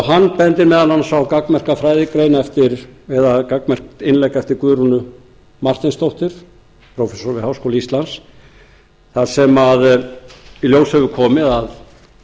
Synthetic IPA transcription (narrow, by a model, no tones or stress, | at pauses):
wɦanːpɛnt̪ɪɾmɛːðananːasakakmɛr̥kafɾaːjðɪkɾejnɛft̪ɪɾɛðakakmɛr̥kɪnlɛjkɛft̪ɪɾkʏːɾunʏ | mar̥t̪ɪnst̪owht̪ɪɾ̥ | pʰɾowfɛsɔɾvɪhawskowlaist̪lans | θaðsɛmað | iljowsɛvʏkʰɔːmɪðað